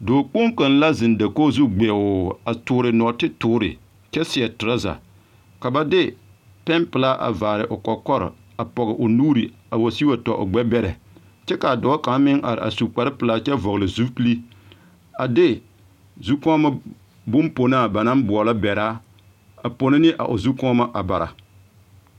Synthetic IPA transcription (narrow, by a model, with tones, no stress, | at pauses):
doː˨k͡po˦ŋka˨n˦la˦zɪ˨nda˨koː˦zu˦ɡ͡be˨ʊ˨a˨tʊː˨ɾɪ˨nɔ˨tɪ˦tʊː˦ɾɪ̰˨ | t͡ʃɛ˦sɪ˨ɛ˨tɪ˨ɾa˦za̰˨ | ka˨ba˦dɪ˦ | pɛ˦npɨ˨la˦ʔa̰˨vaː˨ɾɪ˨ʔʊ˨kɔ˨kɔ˦ɾɪ̰˨ | a˨pɔ˨ɣɪ˨ʔʊ˨nuː˦ɾi˨ | a˨wa˨si˦ba˦tɔ˨ʔʊ̰˨ɡ͡bɛ˦bɛ˦ɾɛ˨ | t͡ʃɛ˦ka˨a˨dɔ˨˦ka˨˦mɪ˦ŋʔa̰˨ɾɪ̰˨ʔa̰˨su˨k͡pa˨ɾɪ˦pɨ˨la˦t͡ʃɛ˦vɔ˨ɣlɪ˨zu˦kli˦ | a˨dɪ˦ | zu˦kɔ˦ma˦ | bʊ˦mpo˨naː˦˨ba˨na˦mbʊ˨ɔ˨la˦bɛ˨ɾaː˦ | a˨po˨nɪ˦nɪ˦ʔa̰˨ʔʊ̰˨zu˦kɔ˦ma˦ʔa˨ba˨ɾa̰˨